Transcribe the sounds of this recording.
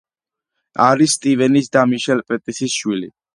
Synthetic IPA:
aɾisːt̪ʼivɛnisd̪amiʃɛlpʼɛt̪ʼisisʃwilḭ

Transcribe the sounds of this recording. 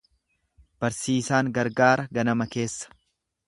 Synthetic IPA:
b̥ɐɾsiːsaːŋɡɐɾɡaːɾɐɡɐnɐmɐke̞ːsːɐ̥

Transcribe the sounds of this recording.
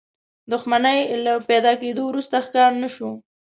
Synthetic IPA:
d̪ʊxmanəjlaped̪ɑked̪owɾust̪axkɑɾnəʃu

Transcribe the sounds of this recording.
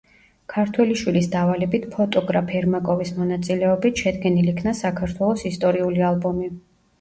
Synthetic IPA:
kʰaɾt̪ʰwɛliʃwilisd̪avalɛbit̪ʰpʰɔt̪ʼɔɡɾapʰɛɾmakʼɔvismɔnat̪sʼilɛɔbit̪ʰʃɛd̪ɡɛnilikʰnasakʰaɾt̪ʰwɛlˠɔsist̪ʼɔɾiulialˠbɔmi

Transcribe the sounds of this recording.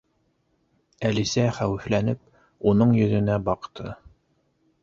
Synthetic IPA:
ælisæχæwɘ̆flænɘp̚ | unɤɴjɵ̆ðɵ̆næbɑqt̪ʰɤ

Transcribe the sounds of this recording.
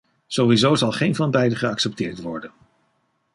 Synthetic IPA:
z̥owʋizowzɑlˠχejnvɑnbɛjdəχəɑksɛp̚tɪːɹtʋɔɹdən

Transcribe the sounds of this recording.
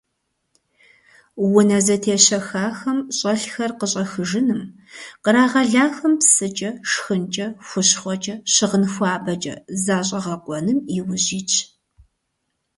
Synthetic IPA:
wʊnɐzɐtʰeːɕɐxaːxɐmɕʼɐɬxɐrqəɕʼɐxɨʒɨnɨm | qəɾaːʁɐɮaːxɐmpsɨt͡ʃʼɐʂxɨnt͡ʃʼɐxʷʊɕχʷɔt͡ʃʼɐɕɪʁənxʷaːbɐt͡ʃʼɐ̰zaːɕʼɐʁɐqʷʼɔnɨmiwʊʑiːt͡ʃʰʼ

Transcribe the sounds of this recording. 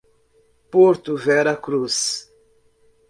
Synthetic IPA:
poɾt̪uvɛɾɐkɾus

